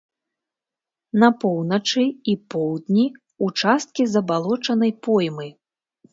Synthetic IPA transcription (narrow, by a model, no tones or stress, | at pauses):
nɐpɔwnɐt͡ʂɨipɔwd̪ʲnʲi | ut͡ʂast̪̚kʲizɐbalˠɔt͡ʂɐnɐjpɔjmɨ